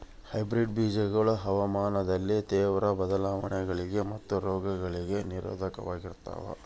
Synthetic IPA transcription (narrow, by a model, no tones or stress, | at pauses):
hɐjbɾiɖbiːd͡ʒɐɡɐɭuɦɐʋɐmaːnɐd̪ɐlːit̪ɛːʋɾɐbɐd̪ɐlaːʋɐɳɛɡɐɭiɡe̞mɐt̪ːuɾɔːɡɐɡɐɭiɡe̞niɾo̰ːd̪ʱɐkɐ̰ʋaːɡiɾt̪a̰ːʋɐ̰